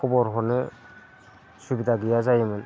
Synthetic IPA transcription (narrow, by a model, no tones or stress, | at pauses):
kʰɔbɔɾɦɔnɯ | subidaɡijazajɯmɯn